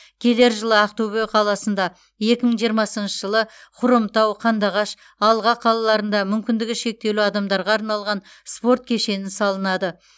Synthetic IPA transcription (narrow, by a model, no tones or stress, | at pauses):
kʲʰe̞le̞ɾʒəlˠəaq̚t̪oβijɑqʰɑlˠɑsənd̪ɑ | je̞kʲɪməɴʒijəɾmɑsənʃəʒəlˠəqʰʊɾəmt̪ɑwqʰɑnd̪ɑʁɑʃ | ɑlˠʁɑqʰɑlˠɑlˠɑɾənd̪ɑmʏmkʲɪnd̪ɪɡʲɪʃe̞k̚t̪e̞luɑd̪ɑmd̪ɑɾʁɑːɾnɑlˠʁɑn | spo̞ɾt̪̚kʲʰe̞ʃe̞nɪnsɑlˠənɑd̪ə